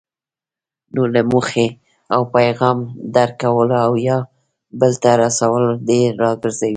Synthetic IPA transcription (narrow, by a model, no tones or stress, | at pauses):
nolamuxe | awpajɣɑmd̪aɾkawəlawjɑ | bəlt̪aɾasawəld̪eːɑɡəɾzawi